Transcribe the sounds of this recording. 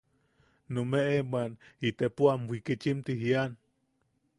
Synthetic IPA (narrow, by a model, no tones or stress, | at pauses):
numeʔemwanit̪epuamwikit͡ʃimt̪iɦian